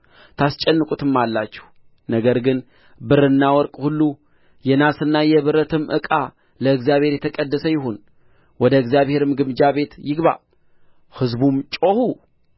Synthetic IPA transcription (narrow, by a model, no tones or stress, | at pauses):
t̪ʰast͡ʃʼɛnːɨkʼut̪ɨmːalːat͡ʃːɛ̥h | nəɡəɾɡɨn | bɨɾɨnːawɔɾkʼhulːu | jɛnasɨnːajɛβɨɾət̪ʰɨmʔɨ̰kʼa | ləɨɡzijaβhe̞ɾjɛt̪ʰəkʼəd̪ːəsəjɪho̞n | wɔd̪əɨɡzijaβhe̞ɾɨmɡɨmd͡ʒaβe̞t̪jɪɡβa̰ | hɨzbumt͡ʃʼo̞hu